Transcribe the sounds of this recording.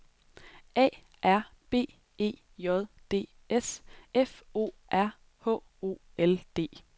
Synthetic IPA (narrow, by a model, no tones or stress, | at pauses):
ʔɛ̰ː | ʔæɐ̰ | b̥e̝̰̥ːe̝̰ː | jɒ̽ð̞ˠd̥e̝̰ː | esʔefo̝̰ːʔæɐ̰ | hɔ̰̽ː | o̝̰ː | eld̥e̝̰ː